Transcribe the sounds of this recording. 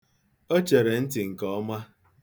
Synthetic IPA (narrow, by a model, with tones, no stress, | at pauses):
o˦t͡ʃe˨ɾe˨n̩˦tɪ˨ŋ̩˨kɔ˦ma˦